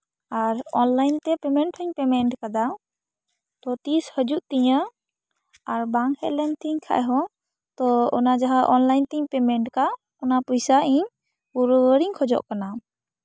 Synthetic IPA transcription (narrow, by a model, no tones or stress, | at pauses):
aɾɔnlajnt̪ɛpɛmɛɳʈhɔɲpɛmɛɳʈkad̪a | t̪ɔt̪ishəd͡ʒuʔt̪iɲə | aɾbaŋhɛ̰lɛnt̪iɲkʰa̰ʔɛɦɔ̃ | t̪ɔɔnad͡ʒaɦaʔɔnlajnt̪iɲpɛmɛɳʈka | ɔnapɔjsaʔiɲ | puɾwəɾiɲkʰɔd͡ʒɔ̰ʔkana